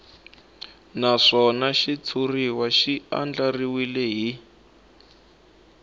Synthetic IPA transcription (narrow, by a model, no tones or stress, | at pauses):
naʂɔnaʃit͡sʰuriwaʃia̰nd͡ɮariwilɛɦi